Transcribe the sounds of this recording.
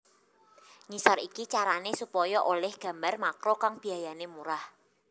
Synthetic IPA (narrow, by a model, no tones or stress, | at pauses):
ɲisɔɾikit͡ʃaɾanesupɔjɔʔolɛhɡ̥a̤mbarmakɾokaŋb̥i̤ajanemuɾah